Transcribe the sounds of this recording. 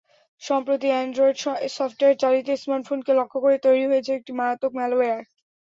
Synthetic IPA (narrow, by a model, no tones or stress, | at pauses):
ʃɔmpɾot̪iɛɳɖɾojɖsɔfʈoeeɾt͡ɕaɾit̪esmaʈfʰonkelokʰːokoɾet̪ojɾiɦoet͡ɕʰeek̚ʈimaɾat̪okmɛloeaɾ